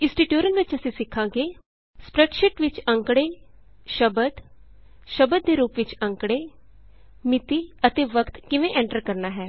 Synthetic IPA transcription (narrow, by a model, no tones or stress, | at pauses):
ɪsʈiːʈjuːɾənʋɪt͡ʃəsĩːsɪkʰːãːɡeː | spɾəʈʃɪʈʋɪt͡ʃə̃ŋkɽeː | ʃəbəd̪ | ʃəbəd̪̚ːeːɾuːpʋɪt͡ʃə̃ŋkɽeː | mɪt̪iːət̪eːʋəkt̪kɪʋẽːʔɛ̃ːɳʈəɾkəɾnaːɦɛː